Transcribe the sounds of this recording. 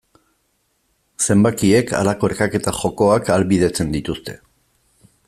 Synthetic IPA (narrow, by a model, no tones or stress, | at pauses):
se̞mbakie̞ka̰lako̞e̞ɾkake̞t̪axo̞ko̞akalβið̞e̞t͡se̞nd̪it̪ust̪e̞